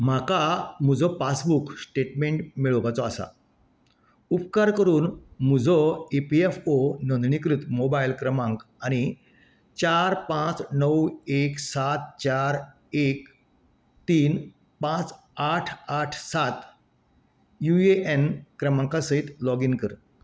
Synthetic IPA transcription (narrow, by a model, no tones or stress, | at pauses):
m̤akam̤ud͡zʱɔpasbukʰsʈeʈmeɳʈmiɭəʋat͡sɔasa̰ | upkaɾkəɾuːnm̤ud͡zʱɔepiefonɔnd̪ɳikɾut̪mobailkɾəmãŋk | aɽ̃i | t͡ɕaɾpãt͡snəweksat̪̚t͡ɕaɾ | ek | t̪iːn | pãt͡s | aʈʰaʈʰsat̪ | jueʔenkɾəmãŋkasəit̪lɔɡinkəɾ